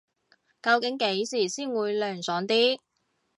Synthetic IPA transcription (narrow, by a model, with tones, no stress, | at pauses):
kɐ˧wkɪ˨˥ŋke˨˥jsiː˨˩siː˥˩nwuː˨˧jlœː˨ŋsɔː˨˥ŋt̪iː˥